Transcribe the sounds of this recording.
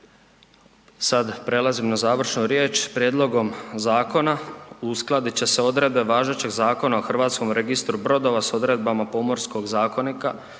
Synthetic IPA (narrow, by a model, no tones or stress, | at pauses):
sad̪pɾe̞lˠazimnazaːʋr̩ʃnuɾjeːt͡ʃpɾjeːd̪lˠo̞ɡo̞mzaːko̞nausklˠad̪it͡ɕe̞se̞o̞d̪ɾe̞d̪be̞ʋaːʒe̞t͡ɕe̞ɡzaːko̞naoxr̩ʋaːt̪sko̞mɾe̞ɡist̪ɾubɾo̞d̪o̞ʋaso̞d̪ɾe̞d̪̚bamapo̞mo̞ɾsko̞ɡzaːko̞nika